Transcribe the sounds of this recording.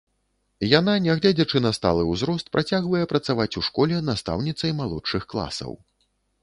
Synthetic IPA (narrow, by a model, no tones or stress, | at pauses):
jan̪anʲɛɣlʲed͡zʲɐt͡ʂɨnɐst̪a̰lˠɨwzɾɔst̪̚pɾʔat͡sʲaɣvɐjɛpɾɐt̪savat͡sʲuʂkɔlʲɛnast̪a̰wnʲit̪sɐjmalˠɔt͡ʂt͡ʂɨxklˠa̰sɐ̰w